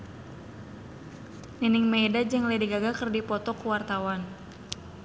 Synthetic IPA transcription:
ninɪŋmɛdad͡ʒɨŋladiɡaɡakɨrdipɔt̪ɔkuwart̪awan

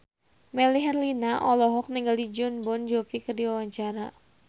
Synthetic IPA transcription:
mɛliɦɛrlinaʔɔlɔɦɔk̚niŋɡaldid͡ʒɔnbɔnd͡ʒɔfikərdiwawaɲt͡ʃaɾa

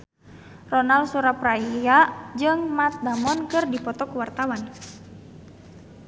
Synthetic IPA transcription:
rɔnalsuɾapraijad͡ʒɨŋmat̪̚damɔnkɨrdipɔt̪ɔkuwart̪awan

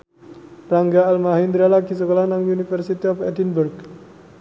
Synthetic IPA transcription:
pɾaŋɡaːlmaɦind̪ɾalakis̬əkolanaŋunifərsit̪iɔfɛdinburɡ

